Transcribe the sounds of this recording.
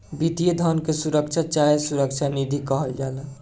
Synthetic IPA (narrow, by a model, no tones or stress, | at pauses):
bid̪ijed̪ʱɔnkesuɾəkt͡ʃʰat͡ʃaɦesuɾəkt͡ʃʰanid̪ʱikɔɦəld͡ʒal